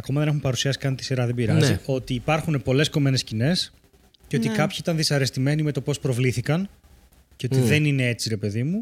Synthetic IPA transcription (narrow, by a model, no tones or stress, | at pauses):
ɐko̞mɐðene̞xumpɐɾusiɐsi̥kɐnt̪i̥siɾɐðebiɾɐzio̞t̪iːpɐɾxune̞po̞le̞sko̞me̞ne̞scine̞s | ceot̪ikɐpçiit̪ɐnðisɐɾe̞st̪ime̞nime̞t̪o̞po̞spɾo̞vliθikɐn | ceo̞t̪iðe̞nine̞e̞t͡siɾe̞pe̞ðimu